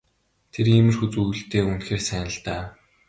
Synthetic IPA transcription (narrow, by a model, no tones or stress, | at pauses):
t̪ʰeɾiːmɘ̆rxut͡sujɵ̆ɬt̪eːunt̪xeːrsæːnə̆ɬt̪aː